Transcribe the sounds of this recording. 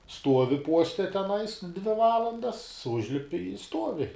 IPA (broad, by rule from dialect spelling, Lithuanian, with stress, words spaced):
ˈstuɔʋʲɪ ˈpuɔsʲtʲɛ tʲɛˈnɐɪs dʲʋʲɪ ˈʋɑːlˠɐndɐs ˈʊʒʲlʲɪpʲɪ ɪ ˈstuɔʋʲɪ